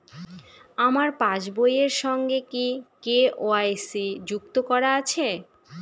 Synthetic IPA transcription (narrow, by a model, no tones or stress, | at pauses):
amaɾpãt͡ɕbojeɾʃɔŋɡekikeʔoajsid͡ʑuk̚t̪okɔɾaat͡ɕʰe